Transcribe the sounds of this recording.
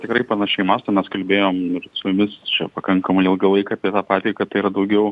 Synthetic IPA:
t̪ʲɪkɾɐɪpɐnɐʃʲɛɪmɐst̪ɐɪmʲɛskɐlʲbʲeːjoːmɪrsʊmʊmʲɪst͡ʃʲɛ̰pɐkɐŋkɐmɐɪɪlˠɡʲɐlˠɐɪkɐːpʲiɛt̪ɑːpɑːt̪ʲɛɪkɐt̪ɐɪiːɾɐd̪ɐʊɡʲɛʊ

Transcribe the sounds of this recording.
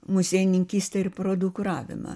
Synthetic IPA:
mʊsʲeːɪnʲɪŋʲkʲiːsʲt̪ʲɛɪɾpɾoːd̪ʊkɾɑːʋʲɪ̰mɐ̰

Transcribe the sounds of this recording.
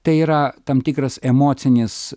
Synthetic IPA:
t̪ɐɪiːɾɐt̪ɐmt̪ʲiːkɾɐsɛmoːt̪sʲɪnʲɪs

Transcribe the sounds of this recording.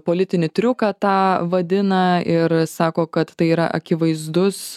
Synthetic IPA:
poːlʲɪt̪ʲɪnʲɪt̪ʲɾʲʊkɐt̪ɑːʋɐd̪ʲɪnɐɪɾsɑːkoːkɐt̪t̪ɐɪiːɾɐ̰ʔɐ̰kʲɪʋɐɪzd̪ʊs

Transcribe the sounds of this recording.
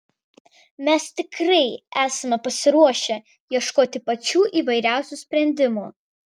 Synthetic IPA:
mʲɛst̪ʲɪkɾɐɪæːsɐmʲɛpɐsʲɪɾuɔʃʲɛ | jiɛʃkoːt̪ʲɪpɐt͡ʃʲuːʔiːʋɐɪɾʲæˑʊsʲuˑsʲpʲɾʲɛnʲd̪ʲɪmuː

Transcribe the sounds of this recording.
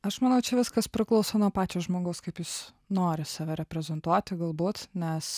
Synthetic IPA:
ɐʃmɐnɐʊt͡ʃʲɛʋʲɪskɐspʲɾʲɪklˠɐʊsoːnuɔpɑːt͡ʃʲoːʒmoːɡɐʊskɐɪpjʊs | noːɾʲɪsɑːʋʲɛɾʲɛpʲɾʲɛzʲɛnt̪uɔt̪ʲɪɡɐlˠbuːt̪nʲɛs

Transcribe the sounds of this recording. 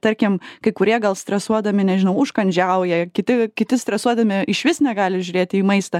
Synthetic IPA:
t̪ɐɾʲkʲɪmkɐɪkʊɾʲiɛɡɐlˠsʲt̪ɾʲɛsuɔd̪ɐmʲɪnʲɛʒʲɪnɐʊʊʃkɐnʲd͡ʒʲɛʊjɛkʲɪt̪ʲɪkʲɪt̪ʲɪst̪ɾʲɛsuɔd̪ɐmʲɪɪʃʋʲɪsnʲɛɡɑːlʲɪʒʲʊɾʲeːt̪ʲɪiːmɐɪst̪ɐ

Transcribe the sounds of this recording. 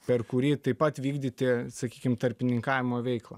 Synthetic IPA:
pʲɛrkʊɾʲiːt̪ɐɪpɐt̪ʋʲiːɡd̪ʲɪt̪ʲɪsɐkʲiːkʲɪmt̪ɐɾʲpʲɪnʲɪŋkɑːʋʲɪmoːʋʲɛɪklˠɐ̰

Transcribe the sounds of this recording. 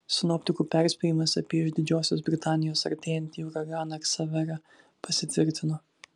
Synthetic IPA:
sʲɪnɔːpʲt̪ʲɪkuːpʲæˑɾʲsʲpʲɛjɪmɐsɐpʲiɛɪʒd̪ʲɪd͡ʒʲoːsʲoːs̬bʲɾʲɪt̪ɑːnʲɪjoːsɐ̰ɾʲt̪ʲeːjɛnʲt̪ʲiʊɾɐɡɑːnɐksɐʋʲɛɾɐ | pɐsʲɪt̪ʲʋʲɪɾʲt̪ʲɪnoː

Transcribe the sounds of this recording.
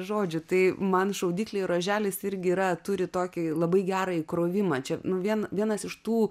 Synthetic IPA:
ʒoːd͡ʒʲʊt̪ɐɪmɐnʃɐʊd̪ʲiːklʲeːɪɾoːʒʲæːlʲɪsɪɾʲɡʲɪiːɾɐt̪ʊɾʲɪt̪oːkʲɪlˠɐbɐɪɡʲæːɾɐɪkɾoːʋʲɪmɐt͡ʃʲɛnʊʋʲiɛnʋʲiɛnɐsɪʃt̪uː

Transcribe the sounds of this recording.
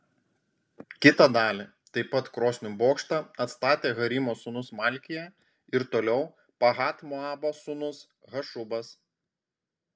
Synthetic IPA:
kʲɪt̪ɐd̪ɑːlʲi | t̪ɐɪpɐt̪kɾoːsʲnʲʊboːkʃt̪ɑɐt̪st̪ɑːt̪ʲeːɣɐɾʲimoːsʊnʊsmɑlʲkʲɪjɛ | ɪɾt̪oːlʲɛʊ | pɐɣɑːt̪mʊɑːbosʊnʊs | ɣɐʃʊbɐs

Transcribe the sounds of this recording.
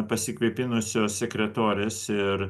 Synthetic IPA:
pɐsʲɪkʋʲipʲɪnʊsʲoːsʲsʲɛkɾʲɛt̪oːɾʲeːsɪɾ

